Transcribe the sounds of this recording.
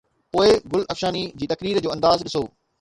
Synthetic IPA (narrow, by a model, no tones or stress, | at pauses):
poːɪɡʊlɐfʃaːnid͡ʑiːt̪ɐkɾiːɾd͡ʑoːɐ̃nd̪aːzɗɪsoː